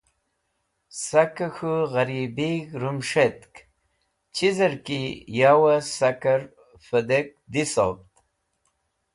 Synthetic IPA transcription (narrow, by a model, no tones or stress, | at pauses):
sakəxuɣaɾibikɾumʂet̪k | t͡ɕʰizəɾkijawasakaɾ | fəd̪ek̚d̪iso̰p̚t̪